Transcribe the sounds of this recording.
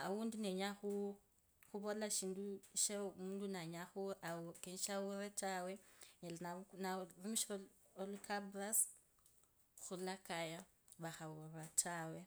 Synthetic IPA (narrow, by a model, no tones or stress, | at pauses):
awundineɲaxu | xuβo̞laʃiːnduʃemuːndunaɲaxuaokenʃawuretawe̞ɲelananarumiʃo | olukʰabras | xulakaja | βaxauratʰaːwe̞